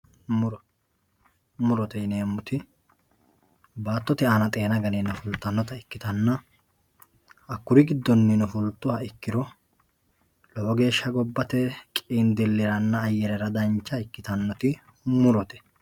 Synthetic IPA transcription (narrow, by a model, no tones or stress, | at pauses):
mʊɾ | mʊɾɔt̪ɛɪneːmːʊt̪ɪ | baːt̪ːɔt̪ɪɐnɐt̪ʼe̞ːnɐɡɐninɔfʊlt̪ːɐnːɔt̪ɐɪkːɪt̪ɐnːɐ | ɐkːʊɾɪɡɪd̪ːɔnːinɔfʊlt̪ːʊhɐɪkːɪɾɔ | lɔwɔɡe̞ːʃːɐɡɔbːɐt̪ɛkʼiːnd̪ɪlːɪɾɐnːɐːjːɛɾɛɾɐd̪ɐnt͡ʃːɐɪkːɪt̪ɐnːɔt̪ɪ | mʊɾɔt̪ɛ̥